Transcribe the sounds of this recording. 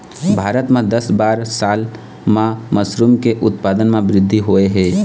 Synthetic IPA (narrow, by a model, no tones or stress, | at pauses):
bʱaːɾət̪mẽd̪əsbaːɾsaːl | mãməsɾuːmkeʔʊt̪paːd̪ənmẽbɾɪd̪ʱːiɦoːeɦɛː